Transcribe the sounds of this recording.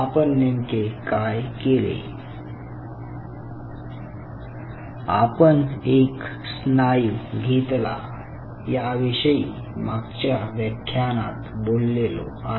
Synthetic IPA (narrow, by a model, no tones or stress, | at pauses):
apənːemkekajkelḛ | apəneksnajuɡʱet̪la̰ | jaʋiɕəi | maɡt͡ɕjaʋjəkʰːjana̰t̪bolːelo̰a